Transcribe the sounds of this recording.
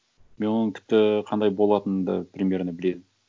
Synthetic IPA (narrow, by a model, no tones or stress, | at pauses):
me̞wo̞nəŋtʲʰɪ̥p̚t̪ɪqʰɑnd̪ɑjbo̞lˠɑt̪ənd̪ɑ̰prʲemʲjeɾnəbɪle̞d̪ɪm